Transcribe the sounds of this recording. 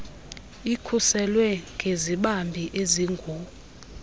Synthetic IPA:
ikʰusɛlwɛŋɡʱeziɓambʱiʔeziŋɡʱu

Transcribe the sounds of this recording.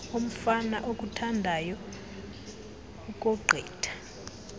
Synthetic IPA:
om̩fana̰ʔok̬ʼutʰandʱajɔ | uk̬ʼɔɡ͡ǃʱɛːtʰḁ

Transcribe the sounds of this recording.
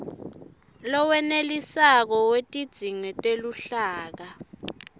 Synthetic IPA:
lɔwɛnelisak̬ɔwetʼid̥z̥ʱiŋɛtʼeluɬaːk̬a

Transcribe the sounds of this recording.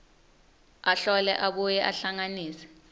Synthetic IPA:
aɬɔlɛ̰ʔaɓujɛʔaɬaŋaniːsɛ̥

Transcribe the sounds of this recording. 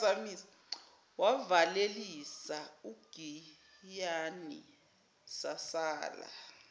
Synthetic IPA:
samisḁ | wavalelisauɡ̥ʱi | janḭ | sasaːla̰

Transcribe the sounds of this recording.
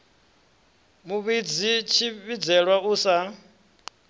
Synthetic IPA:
muβid͡zit͡ʃʰiβid͡zɛɺwauːsa

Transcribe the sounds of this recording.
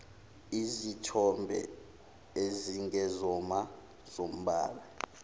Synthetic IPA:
izitʰɔmbʱɛ̰ | eziŋɛzɔma | z̥om̩ɓa̰ːɓa

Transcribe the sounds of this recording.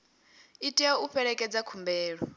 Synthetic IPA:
itʼɛɔuɸɛɺɛkʼɛd͡zakʰumbɛːɺɔ

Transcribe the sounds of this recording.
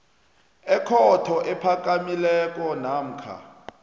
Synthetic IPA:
ɛkʰɔtʰɔʔɛpʰak̬ʼamilɛk̬ʼɔnam̩kʰa̰

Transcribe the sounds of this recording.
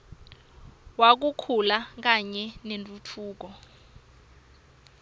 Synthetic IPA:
wak̬ukʰulak̬aɲɛnentʼutʰuːk̬ɔ

